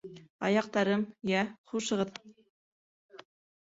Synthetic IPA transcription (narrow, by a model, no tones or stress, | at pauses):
ɑ̰jɑq̚t̪ɑɾɤmjæχuʃɤ̆ʁɤt̪